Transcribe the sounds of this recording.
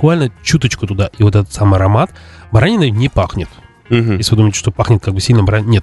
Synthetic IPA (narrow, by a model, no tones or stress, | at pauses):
kvalʲnət͡ɕut̪ət͡ɕkʊt̪ʊd̪aʔivo̞t̪̬ɛt̪ə̥t̪samɨɐɾɐmat̪bɐɾanʲɪnənʲɪpaxnʲɪt̪̩ | j̩esʲɪvɨd̪uməɪjtʲɪʂt̪opaxnʲɪt̪̚kaɡbɨsʲilʲnəbɐɾanʲnʲet̪̚